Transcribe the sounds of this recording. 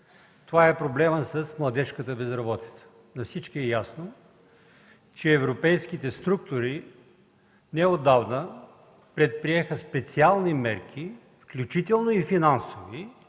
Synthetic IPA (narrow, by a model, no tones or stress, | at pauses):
t̪ovaɛpɾoblɛməsəsmlˠɐd̪ɛʃkət̪əbɛzɾɐbɔt̪i̥t̪sə̥ | nɐfsit͡ʃkiɛjasno | t͡ʃɛːvɾopɛjskit̪ɛst̪ɾukt̪ʊɾi | nɛod̪avnə | pɾɛt̪̚pɾiɛxəspɛt̪sialˠnimɛɾk̟ʰi | fklʲut͡ʃit̪ɛlˠnoifinansovi